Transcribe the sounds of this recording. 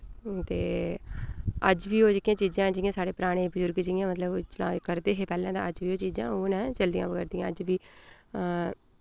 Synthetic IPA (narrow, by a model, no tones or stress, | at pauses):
t̪eː | əd͡ʒʋiːoːd͡ʒɪkijãːt͡ʃiːd͡ʒãːd͡ʒɪjãːsaːɽeːpɾaːɽ̃eːbəzʊɾɡd͡ʒɪjãːmət̪ləbt͡ʃlaːkəɾd̪eːɦeːpɛːlãːd̪ã̰ːəd͡ʒʋiːoːt͡ʃiːd͡ʒãːoːnɛ̃ːt͡ʃəld̪ɪjã̰ːʋəɡɛːɾd̪ɪjãːəd͡ʒʋiː